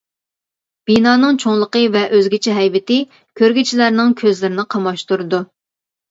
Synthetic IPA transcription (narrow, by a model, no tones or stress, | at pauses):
b̥inɑːnɨŋt͡ʃʰoŋlˠəqəvɛʔøzɡʲit͡ʃʰɛɦɛjvɪt̪ɪ | kʲʰøɾɡʲit͡ʃʰilæɾnɪŋkʲʰøzlɪɾɪnɪqʰɑmɑʃt̪uɾɨd̪u